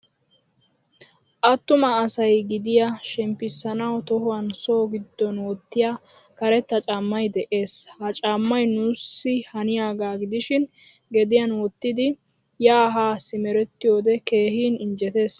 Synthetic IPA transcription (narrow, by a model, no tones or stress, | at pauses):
ʔɐt̪ːʊmɐːsɐjɡɪd̪ɪjaʃɛmpːɪsːɐnɐwt̪ɔhʊwɐnso̞ːɡɪd̪ːɔnwɔt̪ːɪjakɐɾɛt̪ːɐt͡ʃʼamːɐjd̪ɛʔe̞ːshɐt͡ʃʼamːɐjnusːɪhɐnɪjaːɡaːɡɪd̪ɪʃɪnɡɛd̪ɪjɐnwɔt̪ːɪd̪ɪ | jaːɦaːsɪmɛɾɛt̪ːɪjoːd̪ɛke̞ːhiːnɪnd͡ʒɛt̪e̞ːs